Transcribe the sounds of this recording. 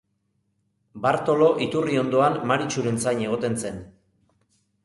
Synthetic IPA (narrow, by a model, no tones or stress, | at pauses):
baɾt̪o̞lo̞ʔit̪urio̞nd̪o̞anmaɾit͡ʃuɾent͡sajɲe̞ɣ̞o̞t̪e̞nse̞n